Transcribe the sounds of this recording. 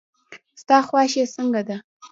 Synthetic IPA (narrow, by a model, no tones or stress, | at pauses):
st̪ɑxwɑʃesəŋɡad̪a